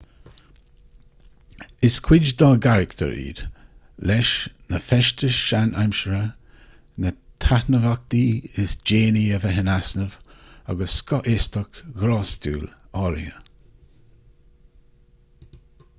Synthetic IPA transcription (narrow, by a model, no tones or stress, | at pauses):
ɪskʰwɪd͡ʒd̪ɔɡaɾɪkt̪ʰə̰ɹḭːd̪̥ | lɛʃnəfɛʃt̪əʃanʔa̰mʃəɾə | nət̪ʰahnəvak̚t̪iɪsd͡ʒeːniəvəɦɪnasnəva̰ɡəsːkɔʔɪst̪əkɡɾɔːst̪ṵːlɔɾḭə̰